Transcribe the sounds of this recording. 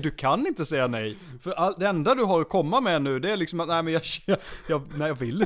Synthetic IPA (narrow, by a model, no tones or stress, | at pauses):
d̪ɵkʰanɪnt̪əsɛjːanɛj | fœɾʔalt̪̚d̪ɛɛnd̪ad̪ɵɦaɾɔkʰɔmːamɛnʉ̟ːd̪ɛæːɾlɪksɔmat̪næːɪmɛnjɑːɑjɑːnæɪjɑvɪlːɪ